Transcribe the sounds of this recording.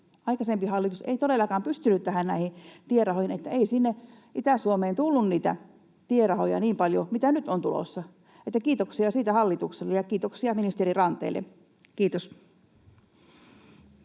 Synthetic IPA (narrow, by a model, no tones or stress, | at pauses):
ɑikɑsempihɑlːit̪usḛit̪odelːɑkɑːmpyst̪ynyt̪t̪æhænnæihit̪ierɑhohinet̪ːæeisinːeʔit̪æˑsuomeːnt̪ulːunniːt̪æ̰ | t̪ierɑhojɑ̰niːmpɑljo̰mit̪ænyt̪ont̪ulo̰sːɑ | ʔet̪ːækiːt̪oksiɑsiːt̪æhɑlːit̪ukselːejɑkiːt̪oksiɑminist̪eɾirɑnt̪ˑḛːlːḛ | kiːt̪os